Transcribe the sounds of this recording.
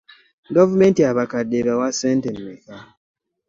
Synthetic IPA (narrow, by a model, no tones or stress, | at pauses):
ɡɔvamɛntiaβakadeɾɔwasɛntɛnmeka